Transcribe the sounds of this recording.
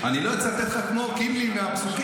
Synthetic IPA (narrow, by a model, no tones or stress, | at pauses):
aniloet͡sat̪et̪χakmokimlimeamsuk